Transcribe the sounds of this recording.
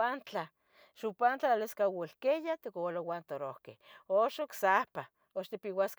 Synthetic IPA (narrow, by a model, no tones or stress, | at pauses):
ant͡ɬa | ʃupant͡ɬaleskawilkejat̪ikolowant̪oɾohkehoʃoksahpa | oʃt̪ipiwask